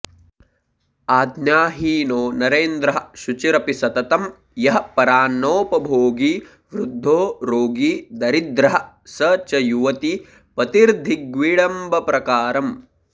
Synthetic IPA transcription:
aːd̪njaːɦiːnoːnɐɾeːnd̪ɾɐɦɐ̆ʃut͡ʃiɾɐpisɐt̪ɐt̪ɐm | jɐɦɐpɐɾaːnːoːpɐbʱoːɡiː | ʋɾud̪ʱːoːɾoːɡiːd̪ɐɾid̪ɾɐɦɐ̆ | sɐt͡ʃɐjuʋɐt̪i | pɐt̪iɾd̪ʱiɡʋiːɽɐmbʱɐpɾɐkaːɾɐm

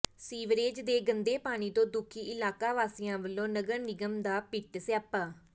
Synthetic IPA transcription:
siːʋɾeːd͡ʒd̪eːɡənd̪eːpaːɽ̃iːt̪õːd̪ʊkʰːiːʔɪlaːkaːʋaːsɪjãːʋəlːõːnəɡəɾnɪɡəmd̪aːpɪʈsjaːpːaː

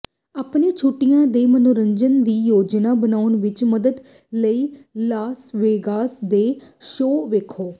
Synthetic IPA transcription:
aːpneːt͡ʃʰuʈːijãːd̪eːmənoɾəɲd͡ʒənd̪iːjoːd͡ʒnaːbənaːʊnʋɪt͡ʃməd̪əd̪ | ləiːlaːsʋeːɡaːsd̪eːʃoːʋeːkʰoː

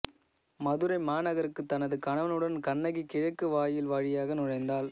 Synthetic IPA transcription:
mɐðɯɾɐɪmaːnɐɣɐɾɯkːɯt̪ːɐnɐðɯkɐɳɐʋɐnɯɽɐnkɐɳːɐɣikɪɻɐkːɯʋaːjɪlʋaːɻɪjaːɣɐnʊɻɐɪnd̪aːl

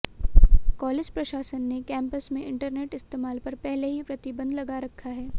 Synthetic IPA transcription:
kɔːleːd͡ʒpɾɐʃaːʃənːekɛ̃ːmpəsmẽʔɪ̃ɳʈəɾneːʈɪst̪eːmaːlpɐɾpɛɦleɦipɾɐt̪ɪbə̃nd̪lɐɡaɾɐkʰːaɦɛː

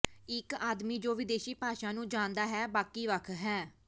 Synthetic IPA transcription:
ɪkaːd̪miːd͡ʒoːʋɪd̪eːʃiːpaːʃãːnũːd͡ʒãːnd̪aːɦɛːbaːkiːʋəkʰɦɛː

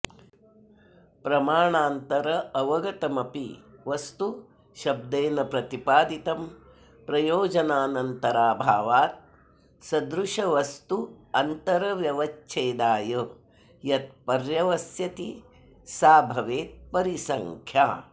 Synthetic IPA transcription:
pɾɐmaːɳaːnt̪ɐɾɐɐʋɐɡɐt̪ɐmɐpḭʋɐst̪u | ʃɐb̚d̪eːnɐpɾɐt̪ipaːd̪it̪ɐm | pɾɐjoːd͡ʒɐnaːnɐnt̪ɐɾaːbʱaːʋaːt̪̚ | sɐd̪ɾuʂɐʋɐst̪uɐnt̪ɐɾɐʋjɐʋɐt͡ʃt͡ʃʰeːd̪aːjɐ | jɐt̪̚pɐɾjɐʋɐsjɐt̪i | saːbʱɐʋeːt̪̚pɐɾisɐŋkʰjaː

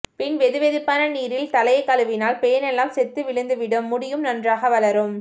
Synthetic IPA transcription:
pɪnʋɛðɯʋeðɪpːaːnɐniːɾɪlt̪ɐlɐjɐkːɐlɯʋɪnaːlpɛjɐnɛlːaːmsɛt̪ːɯʋɪɻɯnd̪ɯʋɪɽɯmːʊɽɪjɯmnɐndraːɣɐʋɐlɐɾɯm

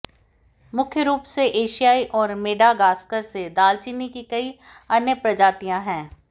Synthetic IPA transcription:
mʊkʰjəɾuːpseʔeːʃijaːiʔɔːɾmeːɖaɡaːskəɾsed̪aːlt͡ʃɪnikikɐi | ɐnjəpɾɐd͡ʒaːt̪ijãɦɛ̃ː

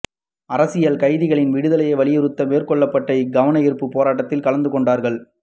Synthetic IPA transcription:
ɐɾɐsɪjɐlkɐɪðɪɣɐɭɪnʋɪɽɯðɐlɐjɐɪʋɐɭɪjɪɾɯt̪ːɐmeːrkɔɭːɐpːɐʈːɐɪɡɐʋɐnɐɪɾɯpːɯpːoːɾaːʈ̬ːɐt̪ːɪlkɐlɐnd̪ɯkɔɳɖaːɾɣɐɭ

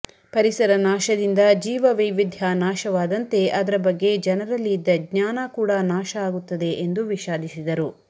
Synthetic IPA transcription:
pɐɾisɐɾɐnaːʃɐd̪ind̪ɐd͡ʒiːʋɐʋɐjʋid̪ʱjanaːʃɐʋaːd̪ɐnt̪e̞ʔɐd̪ɐɾɐbɐɡːe̞d͡ʒɛnɐɾɐlːid̪ːɐɡɲaːnɐkuːɽɐnaːʃɐaːɡut̪ːɐd̪e̞ʔend̪uʋiʃaːd̪ʱisid̪ɐɾu

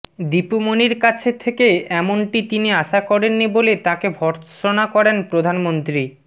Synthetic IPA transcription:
d̪ipumoniɾkat͡ɕʰet̪ʰekeɛmoɳʈit̪iniaʃakɔɾenːibolet̪akebʱɔɾʃonakɔɾenpɾod̪ʱanmont̪ɾi

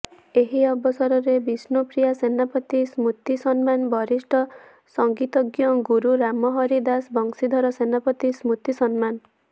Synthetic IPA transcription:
eɦiɔbɔsɔɾɔɾebisnopɾijasenapɔt̪ismut̪isɔnmanbɔɾisʈʰɔ | sɔŋɡit̪ɔɡjɔɡuɾuɾamɔɦɔɾid̪asbɔŋsid̪ʱɔɾɔsenapɔt̪ismut̪isɔnman

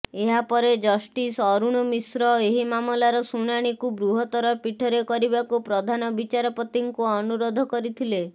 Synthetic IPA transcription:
eɦapɔɾed͡ʒɔsʈisɔɾuɽ̃ɔmisɾɔeɦimamɔlaɾɔsuɽ̃aɽ̃ikubɾuɦɔt̪ɔɾɔpiʈʰɔɾekɔɾibakupɾɔd̪ʱanɔbit͡ʃaɾɔpɔt̪iŋkuɔnuɾod̪ʱɔkɔɾit̪ʰile

